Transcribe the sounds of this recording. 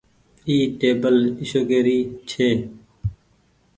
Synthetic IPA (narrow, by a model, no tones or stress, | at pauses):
iːʈeːbəlɪʃoːɡeːɾiːt͡ʃʰeː